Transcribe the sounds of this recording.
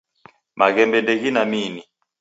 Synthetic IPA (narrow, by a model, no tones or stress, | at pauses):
maɣɛmbɛndɛɣinamini